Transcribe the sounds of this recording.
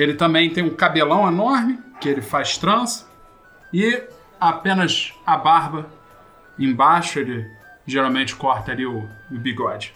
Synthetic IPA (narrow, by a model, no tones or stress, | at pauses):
elɪt̪ɐ̃mbẽj̃t̪ẽj̃ũkabelɐ̃w̃enɔɾmɪkɪelɪfajʃt̪ɾɐ̃sɐ̥ | ɪ | apẽnɐzabaɦbɐ | ẽj̃baʃʊelɪ | ʒeɾawmẽnt͡ʃɪ̥kɔɾt̪ɐaliʊːbiɡɔd͡ʒɪ